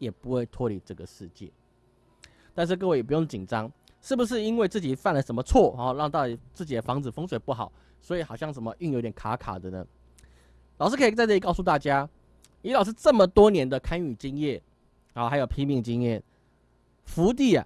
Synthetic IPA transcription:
jɛ˨˩pu˧˥xwe˥˩ɪt̪ʰwɔ˥li˧˥˦ʈ͡ʂɤ˥˩ɡə˨ʂɻ̩˥˧t͡ɕjɛ̰˥˩ | t̪a˥˧nʂ̬ɻ̩˥˧k̬ɤ˥˧we˥˩jɛ˨˩u˧˦jo˥˩ŋt͡ɕi˨˩nʈ͡ʂɑ˦˥ŋ | ʂɻ̩˥˩bu˩ʂ̬ɻ̩˥˩i˥nwe˥˧ɪt͡sɹ̩˥˩t͡ɕi˨˩fa˥˩nlə˨˩ʂə˧˥nmə˧t͡sʰwɔ˥˨ɔ˥˧lɑ˥˧ŋt̪ɑ˥˧ʊt̪i˨˩t͡sɹ̩˥˩t͡ɕi˨˩d̪ə˦fɑ˧˥ŋt͡sɹ̩˨fɤ˥ŋswe˨˩ɪpu˥˩xɑ̰˨˩˦ʊ | swɔ˧˥i˨˩xɑ˨˩ʊɕjɑ˥˩ŋʂə˧˥nmə˧ʔy˥˩ŋjo˨˥˦i˧t̪ʲɛ˨˩ŋkʰa˧˥kʰa̰˨˩d̪ə˦nə˦ | lɑ˨ʊʂɻ̩˥kʰi˨˩t͡sa˥˧ɪʈ͡ʂɤ˥˩i˨˩kɑ˥˧ʊs̬u˥˧t̪a˥˩t͡ɕja˥ | i˧˥lɑ˨˩ʊʂ̬̩˥˧ʈ͡ʂə˥˩mə˨t̪wɔ˥njɛ˧˥nd̪ə˨kʰa˥ny˨˩t͡ɕi˦ŋjɛ˥˩ | ɔ˨˩xa˧˥jo˨˩ʊpʰi˥mi˥˩ŋt͡ɕi˦˥ŋjɛ˥˩ | fu˧˥t̪̬i˥˩a̰˨˩

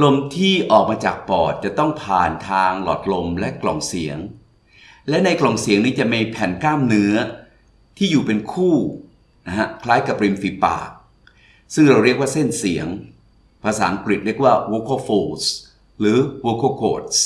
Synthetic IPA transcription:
lo˧mt̪ʰiː˥˩ʔɔː˨˩k̚maː˧t͡ɕaː˨˩k̚pɔː˨˩t̪̚t͡ɕa˨˩t̪ɔ˥˩ŋpʰaː˨˩nt̪ʰaː˧ŋlɔː˨˩t̪̚lo˧mlɛ˦˥ʔklɔ˨˩ŋsi˨˩˦əŋ | lɛ˦˥na˧jklɔ˨˩ŋsi˩˦ŋniː˦˥t͡ɕa˨˩miː˧pʰɛ˨˩nklaː˥˩mnɯ˦˥˦ɐ | t̪ʰiː˥˩juː˨˩pe˧nkʰuː˥˩ | na˦˥ka˦˥kʰlaː˦˥jka˨˩p̚ɾi˧mfiː˨˩pa̰ː˨˩k̚ | sɯ˥˩ŋɾa˧wɾi˥˩ək̚waː˥˩se˥˩nsi˨˩˦əŋ | pʰaː˧saː˩˦ʔa˧ŋkli˨˩t̪̚ɾi˥˩ək̚waː˥˩woː˧˥kʰaː˥˩foː˧s | lɯː˨˦woː˧kʰaː˧˩kʰo̰ː˨˩t̪̚s

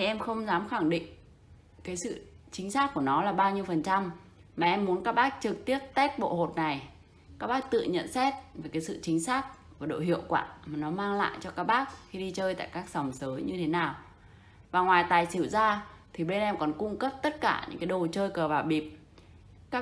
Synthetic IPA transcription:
ni˧˩ʔɛ˧mxə˧wŋ͡mzaː˨˦mxa˧˩ŋɗḭ̈˧˨ŋ̟ | kaː˨˦jsɨ̰˧˨t͡ɕï˨˦ŋ̟saː˦˥k̚ku˧˩ənɔ˨˦laː˨˩ɓaː˧wɲi˧əwfə˨˩nt͡ɕa˧mmaː˨˩ʔɛ˧mːu˨˦ənkaː˦˥k̚ɓaː˦˥k̚t͡ɕɨ˨˩k̚t̪i˦˥əp̚t̪ɛ˦˥k̚ɓo̰˧˨ho˨˩t̚na˨˩j | kaː˦˥k̚ɓaː˦˥k̚t̪ɨ̰˧˨ɲə̰˧˨nsɛ˦˥t̚ve˨˩kaː˨˦jsɨ̰˧˨t͡ɕï˨˦ŋ̟saː˦˥k̚ku˧˩ɗo̰˧˨hḭ˧˨əwkwa̰ː˧˨maː˨˩nɔ˨˦maː˧ŋla̰ː˧˨jt͡ɕɔ˧kaː˦˥k̚ɓaː˦˥k̚xi˧ɗi˧t͡ɕəː˧jt̪a̰ː˧˨jkaː˦˥k̚sa˨˩wŋ͡msəː˨˦jɲɨ˧t̪ʰe˨˦naː˨˩w | vaː˨˩ŋwaː˨˩jt̪aː˨˩jsi˧˩wzaː˧t̪ʰi˨˩ɓe˧nʔɛ˧mkɔ˨˩nkʊ˧ŋ͡mkə˦˥p̚t̪ə˦˥t̚kaː˧˩ɲɨ̰˧˥ŋka˨˦jɗo˨˩t͡ɕəː˧jkəː˨˩vaː˨˩ɓi˨˩p̚ | kaː˦˥

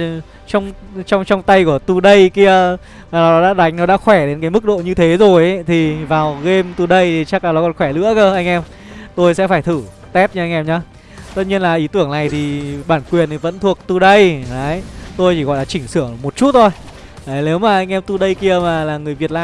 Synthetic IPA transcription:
t͡ɕɔ˧wŋ͡mt͡ɕɔ˧wŋ͡mt͡ɕɔ˧wŋ͡mt̪a˧jku˧˩ət̪u˧ɗə˧jki˧ə | maː˨˩n˨ɔ˦ɗɔ˨˦ɗa̰ː˧˥ɗa˨˦jŋ̟nɔ˨˦ɗa̰ː˧˥xwɛ˧˩ɗe˨˦nkaː˨˦mɨ˦˥k̚ɗo̰˧˨ɲɨ˧t̪ʰe˨˦zo˨˩jʔt̪ʰi˨˩vaː˨˩wɣe˧mt̪u˧ɗə˧jt̪i˨˩t͡ɕa˦˥kla˨˩ɗɔ˨˦kɔ˨˩nxwɛ˧˩lɨ̰˧˥əkəː˧ʔa˧jŋ̟ʔɛ˧m | t̪o˧jsɛ̰˧˥faː˧˩jt̪ʰɨ˧˩ | t̪ɛ˦˥p̚ɲɨ˧ʔjŋ̟ʔɛ˧mɲa˧˦ | t̪ə˦˥t̚ɲi˧ənlaː˨˩ʔi˨˦t̪ɨ˧˩əŋna˨˩jt̪ʰi˨˩ɓaː˧˩nkwi˨˩ənt̪i˨˩və̰˧˥nt̪ʰu˨˩ək̚t̪u˧ɗə˧jə˨˦jt̪o˧jt͡ɕi˧ɣɔ̰˧˨jlaː˨˩t͡ɕï˧˩ŋ̟sɨ˧˩əŋmo˨˩t̚t͡ɕu˦˥t̚t̪ʰo˧j | ə˨˦ne˨˦wmaː˨˩ʔa˧jŋʔɛ˧mt̪u˧ɗə˧jki˧əmaː˨˩laː˨˩ŋɨ˨˩əjvi˨˩ət̚laː˧

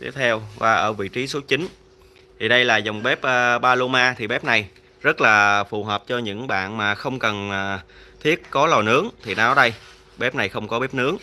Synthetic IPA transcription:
t̪i˦˥əp̚t̪ʰɛ˧wvaː˧˩ʔəː˧˩vḭ˧˨t͡ɕi˨˦su˨˦t̚t͡ɕï˨˦ŋ̟ | t̪ʰi˨˩ɗə˧jlaː˨˩zə˨˩wŋ͡mɓɛ˦˥p̚ʔːɓaː˧lo˧maː˧t̪ʰi˨˩ɓɛ˦˥p̚na˨˩j | zə˦˥t̚laː˨˩fu˨˩ɦəː˨˩p̚t͡ɕɔ˧ɲɨ̰˧˥ŋɓa̰ː˧˨nmaː˨˩xə˧wŋ͡mkə˨˩nː˨˩t̪ʰi˦˥ət̚kɔ˨˦lɔ˨˩nɨ˨˦əŋt̪ʰi˨˩na˨˦wɗə˧j | ɓɛ˦˥p̚na˨˩jxə˧wŋ͡mkɔ˨˦ɓɛ˦˥p̚nɨ˨˦əŋ

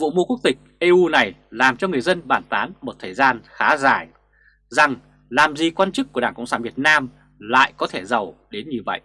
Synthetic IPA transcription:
vṵ˧˨mu˧ku˦˥k̚t̪ï˨˩k̟̚ʔe˧ʔu˧na˨˩jlaː˨˩mt͡ɕɔ˧ŋɨ˨˩əjzə˧nɓaː˧˩nt̪aː˨˦nmo˨˩t̚t̪ʰəː˨˩jzaː˧nxaː˨˦zaː˧˩j | za˨˩ŋ | laː˨˩mzi˨˩kwaː˧nt͡ɕɨ˦˥k̚ːu˧˩əɗaː˧˩ŋkʊ̰˧˨ŋ͡msaː˧˩vi˨˩ət̚naː˧m | la̰ː˧˨jkɔ˨˦t̪ʰe˧˩zə˨˩wɗe˨˦nɲɨ˧və̰˧˨jʔ

